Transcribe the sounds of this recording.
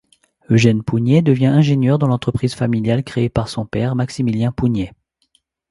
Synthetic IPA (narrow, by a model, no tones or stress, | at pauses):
øʒɛnpunjɛd̪əvjɛ̃ʔɛ̃ʒenjœʁd̪ɑ̃lɑ̃t̪χəpχizfamiljalkχeːpaʁsɔ̃pɛʁmaksimiljɛ̃punjɛ